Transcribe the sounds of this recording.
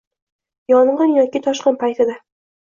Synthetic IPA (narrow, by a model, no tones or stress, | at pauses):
jɒɴʁɤnjɒkʲit̪ʰɒʃqɨnpʰajt̪ʰɪd̪a